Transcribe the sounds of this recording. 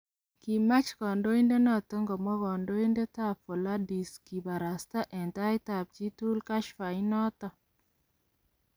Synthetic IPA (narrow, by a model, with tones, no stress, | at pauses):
ki˨ma˦t͡ʃkɔ˨ndo˦i˦nde˦nɔ˦˨to˦ŋɡɔ˨mɔ˦kɔ˨ndo˦i˦nde˦ta˦˨po˨la˦di˨ski˨ba˨ɾa˨sta˦ʔɛ˨nta˦ɪ˦ta˨p̚t͡ʃi˦tu˦lka˦ʃfa˨ɪ˦nɔ˦tɔ˨